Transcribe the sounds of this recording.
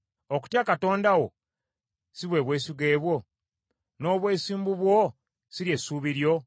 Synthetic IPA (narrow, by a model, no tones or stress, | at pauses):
oku̥tjakato̞ːndawo̞ | siβwe̞ːβwe̞ːsiɡe̞ːβwo̞ | no̞ːβwe̞ːsiːmbuβwo | siɾjesuːβiɾjo̞